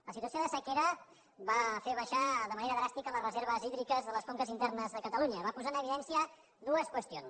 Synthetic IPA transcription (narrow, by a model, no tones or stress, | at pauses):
ləsit̪uəsijoðəsəkeɾə | βafeβəʃaðəməneɾəðɾast̪ikələrəzeɾβəziðɾikəzðələskoŋkəzint̪ɛrnəzðəkət̪əluɲəβapuzaənəβiðɛnsiə | ðuəskwəst̪ions